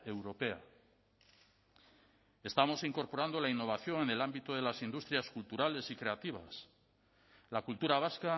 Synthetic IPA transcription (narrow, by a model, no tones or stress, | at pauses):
ewɾo̞pea̰ | e̞st̪amo̞siŋko̞ɾpo̞ɾand̪olainːo̞β̞aθjo̞ŋe̞ne̞lambit̪oð̞e̞lasind̪ust̪ɾjaskult̪uɾale̞sikɾe̞at̪iβ̞a̰s | lakult̪uɾaβ̞aska